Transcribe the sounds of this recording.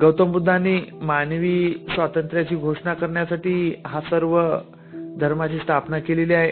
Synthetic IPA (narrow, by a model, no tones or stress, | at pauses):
ɡəwt̪əmbud̪ʱːanːimanʋiːsʋat̪ənt̪ɾjat͡ɕiːɡʱoʂɳakəɾɳjasaʈiːɦasəɾʋə | d̪ʱəɾmat͡ɕiːst̪ʰapnakeleliaɦe